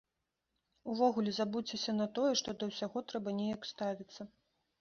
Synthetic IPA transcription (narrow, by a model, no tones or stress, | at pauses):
uvɔɣulʲɛzabut͡sʲesʲɐnɐt̪ɔjɛʂt̪ɔd̪ɐwsʲaɣɔt̪ɾɛbɐnʲejɐkst̪avʲit̪sːɐ